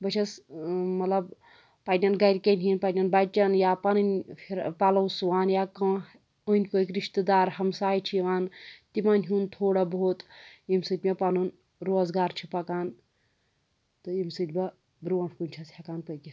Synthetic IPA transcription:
bɐt͡ʃʰɐsmɐt̪lɐb | pɐnʲɐnɡɐɾʲkenʲɦinpanʲɐnbɐt͡ʃɐnjapɐnɨnʲpʰiɾpalɐwsuʋaːnjakɐ | ənʲkoːkɾiʃt̪ɨd̪aːɾhɐmsaːjit͡ʃʰijiʋaːnt̪imanʲɦunt̪ʰoːɽɐboːt̪imsɨt̪̚ʲmʲɐpɐnun | ɾoːzɡaːɾt͡ʃʰipɐkaːn | t̪ɨjimsɨt̪ʲbɐ | bɾuʋɐnkunʲt͡ʃʰɐshakaːnpəjkʲi

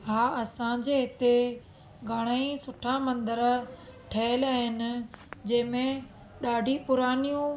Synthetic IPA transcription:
ɦaːɐsãd͡ʑeɦɪt̪e | ɡʱaːɽ̃aːĩsʊʈʰãmɐ̃nd̪əɾʈʰɐːɪlaːɦɪnɪ̆d͡ʑɐ̃ːmẽ | ɗaːɖʱipʊɾaːnijũ

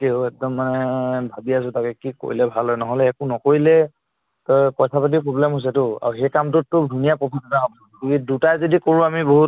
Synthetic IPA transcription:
kɛʊɛk̚dɔmːanɛbʱabias̬ʊ̃takɛkiko̰ɹilɛbʱalɦɔjnɔɦɔlɛːkunɔkoɹilɛ | tɔjpɔjsʰapat̬ipɹɔblɛmɦos̬ɛtʊa̰ɹuxejkamtʊtːʊbʱunijapɹɔpʰitanaɔ | kikidutajzodikoɹũamiboɦut

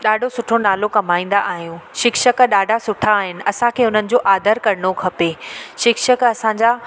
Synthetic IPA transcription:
ɗaːɖʱosʊʈʰonaːlokɐmaːĩːn̆d̪aʔaːɦijũʃɪkʃəkɗaːɖʱasʊʈʰaːɦɪnɪ̆ɐsãkʰeːʊn̤ənɪ̆d͡ʑoːʔaːd̪ʱəɾkɐɾɽ̃okʰɐpeːʃɪkʃəkɐsãɲd͡ʑa

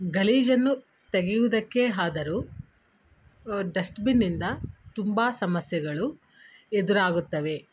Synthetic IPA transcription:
ɡɐliːd͡ʒɐnːu | t̪eɡijud̪ɐkːeɦaːd̪ɐɾu | ɖɐsʈbinːind̪ɐt̪umbaːsɐmɐsjɐɡɐɭu | ed̪uɾaːɡut̪ːɐʋe̞

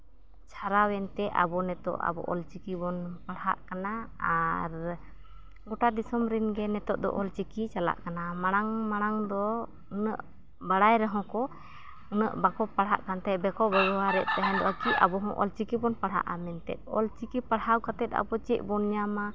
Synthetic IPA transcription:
t͡ʃʰaɾawɛnt̪ɛa̰bɔnɛt̪ɔ̰ʔa̰bɔ̰ʔɔlt͡ʃikibɔnpaɽha̰ʔkanaaɾ | ɡɔʈad̪isɔmɾinɡɛnɛt̪ɔʔ̚d̪ɔ̰ʔɔlt͡ʃikit͡ʃala̰ʔkanamaɽ̃aŋmaɽ̃aŋd̪ɔ | unə̰ʔ | baɽajɾaɦɔ̃kɔ | unəʔbakɔpaɽɦa̰ʔkant̪ɛbɛkɔbəjɔwaɾɛʔt̪aɦɛ̃nd̪ɔat͡ʃia̰bɔɦɔ̃ʔɔ̰lt͡ʃikibɔnpaɽɦa̰ʔamɛnt̪ɛ̰t̪̚ˀɔ̰lt͡ʃikipaɽhawkat̪ɛt̪a̰bɔt͡ʃɛʔ̚bɔnjama

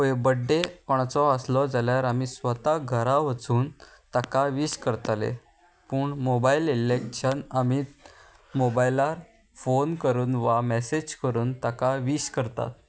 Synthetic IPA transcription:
ebəɖːekɔɽ̃at͡sɔəslɔd͡zaljaɾamisʋət̪aɡʱəɾaʋət͡suːn | t̪akaʋiːɕkəɾt̪alḛ | puːɳmobaililekɕənamiːt̪ | mobailaɾ | fonkəɾuːnʋamɛsed͡ʑkəɾuːnt̪akaʋiːɕkəɾt̪a̰t̪̚

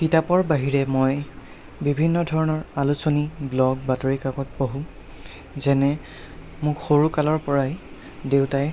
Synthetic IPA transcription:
titapɔɹbaɦiɹɛmoj | bibʱinːɔdʱɔɹɔnɔɹalusoniblɔɡ̚batoɹikakɔt̚boɦũ | zɛnɛ | mʊkxoɹukalɔɹpɔɹaj | dewtaj

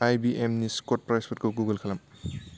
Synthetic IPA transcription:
ajbiʔemniskɔt̚pɾajspʰɔt̚kʰoɡuɡɐlkʰɐlɐm

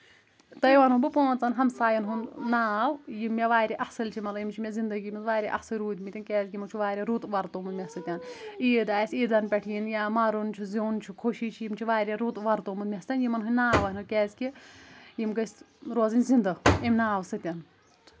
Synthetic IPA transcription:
t̪ɐjʋanubɨpoːnt͡sɐnɦɐmsaːjɐnɦunnaːwjimːeʋaːɾʲiʔɐhsɨlʲt͡ʃʰimɐlɐjimt͡ʃʰimʲezind̪ɐɡʲimizʋaːɾʲiʔɐ̰hsɨɾuːd̪ʲmit̪ʲinkʲɛːzʲkʲimɐt͡ʃʰuʋaːɾʲeɾut̪ʋɐɾt̪omunmʲɐsɨt̪ʲjaniːd̪aːjsiːd̪ɐnpʲɐʈʰijinjamɐɾunt͡ʃʰuzint͡ʃʰukʰoʃiːt͡ʃʰijimt͡ʃʰiʋaːɾʲeɾut̪ʋɐɾt̪omund̪mʲest̪ɐnjimɐnɦunʲnaːʋɐɦnɨkʲɛːzʲkʲijimɡɐs | ɾoːzinʲzind̪ɐimʲnaːwsɨt̪ʲjan

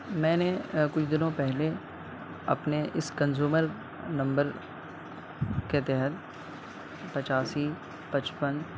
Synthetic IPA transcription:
mɛ̃ːnekʊt͡ʃʰd̪ɪnõpɛɦle | ɐ̰pneʔɪskɐ̃nzuːməɾ | nɐ̃mbəɾ | ket̪ɛɦət̪̚ | pɐt͡ʃaːsi | pɐt͡ʃpən

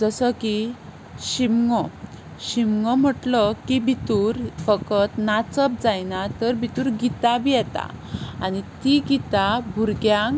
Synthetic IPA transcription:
d͡zəsəki | ɕimŋɔ | ɕimŋɔm̤əʈlɔkibʱit̪uɾfəkət̪nat͡səp̚d͡zajnat̪əɾbit̪uɾɡit̪abijɛt̪a̰ | anit̪iɡit̪abʱuɾɡjãŋ

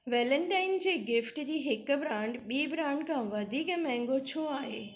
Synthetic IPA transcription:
ʋɛːlə̃ɳʈaːɪnd͡ʑeːɡɪfʈd͡ʑiːɦɪkbɾãːɳɖɓiːbɾãːɳɖkʰãʋɐd̪ʱiːkmɛ̃ɦŋɡot͡ɕʰoaːɦḛː

